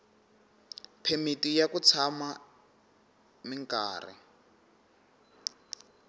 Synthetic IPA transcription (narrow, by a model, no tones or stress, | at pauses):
pʰemitijakut͡sʰama | miŋkʼa̰ːrḭ